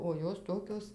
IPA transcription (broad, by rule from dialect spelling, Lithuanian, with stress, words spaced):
oː ˈjoːs ˈtoːkʲoːs